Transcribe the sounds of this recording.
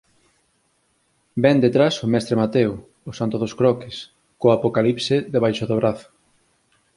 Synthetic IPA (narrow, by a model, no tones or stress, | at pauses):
bɛnd̪et̪ɾasʊmɛst̪ɾemat̪eoː | sant̪oðoskɾɔkes | koapokalipseðeβ̞ajʃoðoβɾaθʊ̥